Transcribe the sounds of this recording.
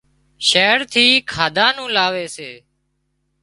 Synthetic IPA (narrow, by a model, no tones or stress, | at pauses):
ʃeːɾt̪ʰiːkʰaːd̪ʱaːnũːlaːʋeːseː